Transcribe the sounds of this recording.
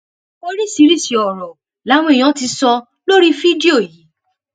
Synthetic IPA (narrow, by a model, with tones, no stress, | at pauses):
o˧ɾi˦˨si˨˦ɾi˦˨si˨ɔ˨ɾɔ˨ | la˨˦w̃ɔ̃˧i˨j̃ɔ̃˨˦ti˧sɔ˧ | lo˦ɾi˦fi˦di˦o˦˨ji˨˦